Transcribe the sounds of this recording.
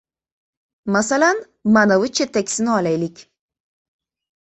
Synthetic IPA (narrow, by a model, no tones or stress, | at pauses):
masalan | manavɨt͡ʃʰet̪ːakʲsɪnɪɒlajlɪkʲ